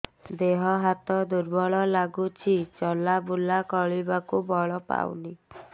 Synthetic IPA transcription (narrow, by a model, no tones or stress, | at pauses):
d̪eɦɔɦat̪ɔd̪uɾbɔɭɔlaɡut͡ʃʰit͡ʃɔlabulakɔɭibakubɔɭɔpa̰w̰ni